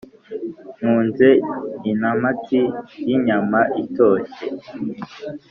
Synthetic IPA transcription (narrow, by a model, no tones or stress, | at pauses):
n̥uːnzeinamatijiɲamaʔito̞ʃe